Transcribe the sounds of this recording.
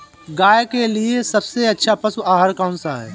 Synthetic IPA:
ɡaːjkeliesɐbseɐtːʃʰapɐsuʔaːɦaɾkaːʊ̃nsaɦɛ̰ː

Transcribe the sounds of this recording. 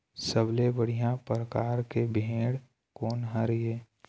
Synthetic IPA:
səblebəɽ̤ijãpɾəkaːɾkebʱẽːɽ | kɔːnɦəɾjeː

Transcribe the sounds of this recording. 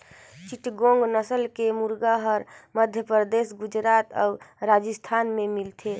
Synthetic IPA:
t͡ʃiʈɡõŋɡnəsəlkemuɾɡaɦəɾməd̪ʱjəpɾəd̪eːsɡud͡ʒɾaːt̪ɔ̰ːɾad͡ʒəst̪ʰaːnmẽmilt̪ʰe

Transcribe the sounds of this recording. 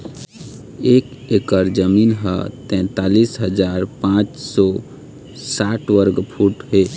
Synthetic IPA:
ek | ekəɾd͡ʒəminɦə̰t̪ɛ̃t̪alisɦəd͡ʒaːɾpãt͡ʃsɔ | saʈwəɾɡpʰuʈɦe

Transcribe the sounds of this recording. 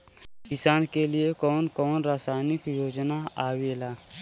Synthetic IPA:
kɪsaːnkeliekɔːnkɔːnɾaːsaːnɪkjoːd͡ʒnaaːweːlaː

